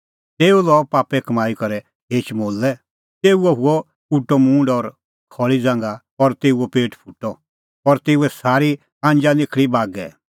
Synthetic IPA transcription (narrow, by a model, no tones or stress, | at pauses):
t̪eːulɔːpaːpɛkɐmaːikɐɾɛ | ɦeːt͡ʃmoːlːɛ | t̪eːuɔɦʊɔ | uʈːɔmũːɳɖɔːɾ | kʰɔɭid͡zãːŋɡa | ɔɾt̪eːuɔpeːʈpʰuʈːɔ | ɔɾt̪eːuɛsaːɾi | ãːɲd͡ʒanɪkʰɭibaːɡɛ̰